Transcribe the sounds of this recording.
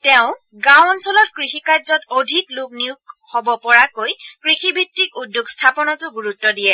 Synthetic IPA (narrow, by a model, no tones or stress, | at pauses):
tɛʊ̃ | ɡawɔnsɔlɔt̚kɹixikaɹzɔtodʱikluk̚niʊkhobɔpɔɹakojkɹixibʱitːikudjuɡstʰapɔnɔtʊɡuɹutːɔdijɛ